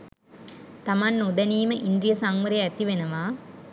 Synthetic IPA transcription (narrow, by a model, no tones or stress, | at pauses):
t̪amanːud̪ɐniːməʔind̪ɾijɐsaŋʋəɾejæt̪iʋenɐʋaː